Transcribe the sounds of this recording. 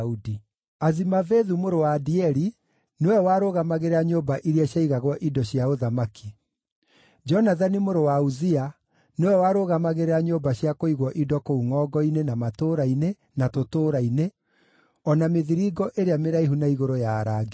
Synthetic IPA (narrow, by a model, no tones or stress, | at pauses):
udi | azimaveðumoɾowaːdiɛɾi | newɛwaːɾoɣamaɣeɾeaɲobaʔiɾiaɕjaiɣaɣwɔʔidɔɕiaoðamaki | d͡ʒɔnaðanimoɾowauzia | newɛwaɾoɣamaɣeɾeaɲoːbaɕiakoiɣwɔʔidɔkouŋɔːɡɔinenamatoɾaine | natotoːɾaine | ɔnameðiɾiɡɔʔeɾeameɾaiɦunaiɣoɾojaːɾaɡe